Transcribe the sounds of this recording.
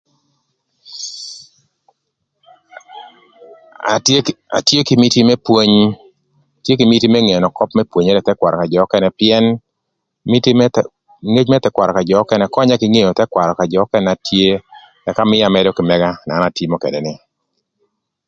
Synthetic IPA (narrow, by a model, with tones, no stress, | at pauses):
a̰˨tje˦kɪ˨mi˦ti˦mɛ˦pwo˦ɲ | tje˦ki˨mi˦ti˦mɛ˦ŋe˨nɔ˨kɔ˦pmɛ˦pwo˨ɲɛ˦ɾɛ˨tɛ˦kwa˨ɾɔ˨ka˨d͡ʒɔː˨˦kɛ˦nɛ˨pɪɛ˦n | mi˦t | ŋe˦d͡ʒmɛ˦t̪ɛ˦kwa˨ɾɔ˨ka˨d͡ʒɔ˨ɔ˦kɛ˦nɛ˨kɔ˦ɲa˦kɪ˨ŋe˦˨jo˨t̪ɛ˦kwa˨ɾɔ˨ka˨d͡ʒɔː˨˦kɛ˦na˨tʰje˦ | ɛ˨ka˦mɪ˦ja˨mɛ˦dɔ˦kɪ˨mɛ˦ɡa˦na˨˦na˨ti˦mɔ˦kɛ̰˨dɛ˨nɪ˨